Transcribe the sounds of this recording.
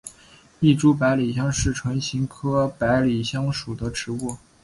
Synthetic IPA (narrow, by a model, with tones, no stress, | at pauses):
i˥˩ʈ͡ʂu˥p̬a˧˥ɪli˨˩ɕjɑ˥ŋʂɻ̩˥˩ʈ͡ʂʰɤ˧˥ŋɕi˧˥ŋkʰɤ˥pa˧˥ɪli˨˩ɕjɑ˥ŋʂu˨˩d̪ə˦ʈ͡ʂɻ̩˧˥u˥˩